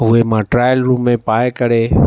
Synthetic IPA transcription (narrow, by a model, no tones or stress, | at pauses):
ɦʊemãːʈɾaːjəlɾuːmːẽpaːekəɾeː